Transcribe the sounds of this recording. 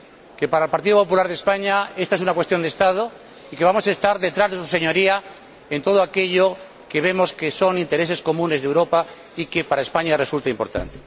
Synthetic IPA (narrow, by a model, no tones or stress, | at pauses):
ke̞paɾaelpaɾt̪̬iðopopulaɾðespaɲaest̪aesunakwest̪jo̞nd̪est̪að̞o | ike̞β̞amo̞saest̪aɾðe̞t̪ɾazðe̞s̬useɲoɾia | ent̪o̞ðoake̞ʎo | ke̞βe̞moske̞so̞nint̪eɾe̞se̞sko̞mũne̞zðewɾo̞pa | ike̞paɾae̞spaɲare̞sult̪aimpo̞̰ɾt̪a̰nt̪e